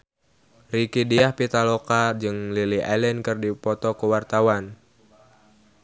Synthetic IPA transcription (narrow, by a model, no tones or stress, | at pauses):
rikidiahpit̪alokad͡ʒɨŋliliʔalɛnkɨrdipɔt̪ɔkəwart̪awan